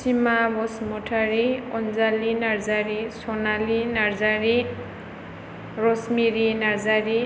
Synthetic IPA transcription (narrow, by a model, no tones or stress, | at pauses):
simabɔsmɔʈʰaɾiɔnd͡zalinard͡zaɾisɔnalinard͡zaɾi | rɔsmiɾinard͡zaɾi